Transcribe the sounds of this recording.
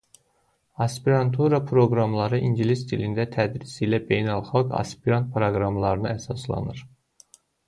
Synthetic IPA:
ɑspiɾɑnt̪ʰuɾɑpʰɾo̞ɡɾɑmlˠɑɾɯʔinɟilisd̪ilind̪æt̪ʰæd̪ɾisilæbe̞jnælˠχɑlˠkɑ̰spiɾant̪̚pɾoɡɾɑmlˠɑɾɯnɯæsɑslˠɑ̰nɯɾ

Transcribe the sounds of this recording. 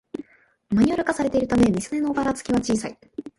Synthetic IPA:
maɲ̟ioɾɯ̟kasaɾe̞t̪e̞iɾɯ̟t̪ame̞mʲisɨne̞no̞ːbaɾat͡sɨ̥kʲiβat͡ɕiːsai

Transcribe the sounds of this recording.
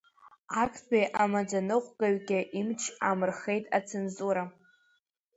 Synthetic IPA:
akʰbejʔamad͡zanɨqʷɡʼaɥɡʲɪʔimt͡ʃʰamɨrχe̞jtʼat͡sʰenzuɾa

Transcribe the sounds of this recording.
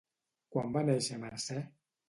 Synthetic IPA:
kwambanɛisɛmaɾsɛ

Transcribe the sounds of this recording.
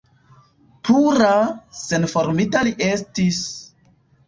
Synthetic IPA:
puɾase̞nfo̞ɾmitaliʔe̞stis

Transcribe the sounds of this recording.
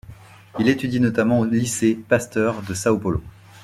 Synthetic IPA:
ilet̪yd̪inɔt̪amɑ̃olisepast̪œʁd̪əsaopɔlo̰

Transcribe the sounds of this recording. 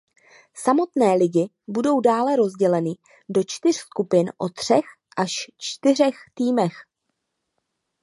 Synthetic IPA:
samo̞t̪nɛːlɪɟɪ | budo̞wdaːlɛɾo̞zɟɛlɛnɪ | do̞t͡ʃt̪ɪr̝skupɪnʔo̞̰t̪r̝̥ɛx | ʔaʃt͡ʃt̪ɪr̝ɛxt̪iːmɛx

